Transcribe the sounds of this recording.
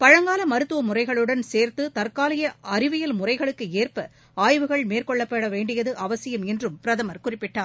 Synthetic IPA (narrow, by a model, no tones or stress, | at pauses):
pɐɻɐŋɡaːlɐmɐɾɯt̪ːɯʋɐmʊrɐɪɣɐɭɯɽɐnseːɾt̪ɯt̪ɐɾkaːlɐjɐɐɾɪʋɪjɐlmʊrɐɪɣɐɭɯkːɯeːrpɐ | aːjʋɯɣɐɭmeːrkɔɭːɐpːɐɽɐʋeːɳɖɪjɐðɯʔɐʋɐsɪjɐmɛndrɯmpɪɾɐðɐmɐɾkʊrɪpːɪʈːaː